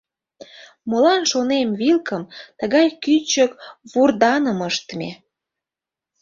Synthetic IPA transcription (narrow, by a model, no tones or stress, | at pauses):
molɑnʃonemβilkəmt̪əɣɑjkyt͡ɕəkβurd̪ɑnəməʃt̪əmḛ